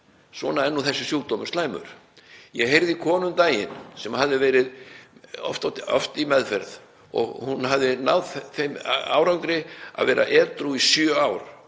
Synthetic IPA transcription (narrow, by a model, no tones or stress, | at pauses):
svɔːnaɛnːuθɛsːɪsjuːt̪ɔːmʏɾ̥st̪laːjmʏ̰ɾ̥ | jɛɣɦejɾðikʰɔːnʏmt̪aːjɪ̰nsɛmhaðɪvɛːɾɪð | ɔ̰ft̪at̪ɔ̰ft̪imɛðfɛɾð | ɔ̰ɣhunhavðɪnawðθejma̰wɾawŋkɾɪa̰ðvɛːɾʔa̰ʔɛːt̪ɾuisjœawɾ